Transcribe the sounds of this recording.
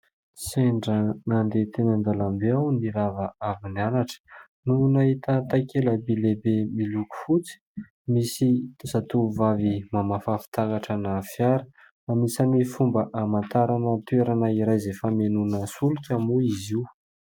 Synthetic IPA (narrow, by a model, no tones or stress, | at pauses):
seɳɖ͡ʐənand̪et̪enənd̪alambeawniɾavaavinanaʈ͡ʂə̥ | nunaɦit̪ət̪akeləbilebemiluku̥fut͡si̥ | misit̪usat̪uvavimamafafi̥t̪akaʈ͡ʂanafjaɾə̥ | amisanifumbəʔamant̪aɾanət̪ueɾanaiɾajzefamenunəsulukʲamuiziw